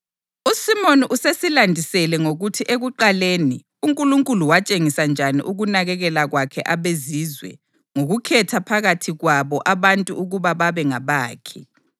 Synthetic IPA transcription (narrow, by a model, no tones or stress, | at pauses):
usimoniʔusesilandʱisɛlɛŋoɣutʰiʔeɣuǃaleːni | uŋkʼuluŋkʼuluwat͡ʃʼeŋisand͡ʒʱanḭʔuɣunaɣɛɣɛlaɣwakʰɛʔaβezizwɛ̰ | ŋoɣukʰɛtʰapʰaɣatʰiɣwaβɔʔaβantʼuuɣuβaβaβɛŋaβaːkʰɛ̥